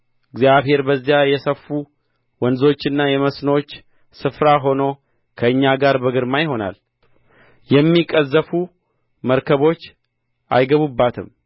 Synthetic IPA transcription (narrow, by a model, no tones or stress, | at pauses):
ɨɡzijaβhe̞ɾbəzːijajɛsəfːu | wənzo̞t͡ʃːɨnːajɛməsnot͡ʃː | sɨfɾaɦo̞no̞ | kʰəɨɲːaɡaɾbəɡɨɾmajho̞na̰l | jɛmːikʼəzːəfu | məɾkʰəβo̞t͡ʃː | ʔa̰jɡəβubːat̪ʰɨm